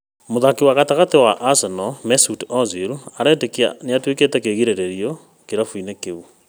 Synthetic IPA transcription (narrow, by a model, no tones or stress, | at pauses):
moðakiwaɣataɣatewaʔːsɛnɔmɛsutɔziɾuaɾɛtekia̰neatweketɛkeɣiɾeɾeɾiɔ | keɾafuinekeu